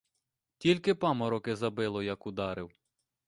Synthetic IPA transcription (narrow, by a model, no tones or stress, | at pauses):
tʲilʲkɪpɑmɔɾɔkɪzɐbɪlˠɔjɐkʊd̪ɑɾɪw